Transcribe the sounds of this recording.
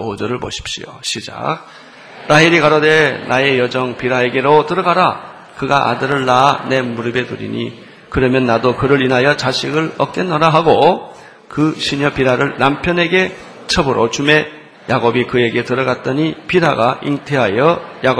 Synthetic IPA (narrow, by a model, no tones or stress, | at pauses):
od͡ʑʌɾɯɭbo̰ɕʰi̥p̚ɕ͈ḭo̰ɕʰid͡ʑa̰k̚ | ɾʔaiɾikaɾʌde̞nae̞jʌd͡ʑʌŋpiɾae̞ɡe̞ɾotɯɾʌɡaɾa | kɯɡaʔa̰dɯɾɯɭːane̞muɾɯbe̞tuɾḭɲḭ | kɯɾʌmjʌnːadokɯɾɯɾinɦajʌt͡ɕaɕʰiɡɯɭʌk̚k͈e̞nːʌɾaɦaɡo | kɯɕʰiɲʌpiɾaɾɯɭnampʰjʌne̞ɡe̞ | t͡ɕʰʌbɯɾʔot͡ɕume̞ | jaɡobikɯe̞ɡe̞tɯɾʌɡat̚t͈ʌɲipidaɡaʔiŋtʰeɦajʌjaɡo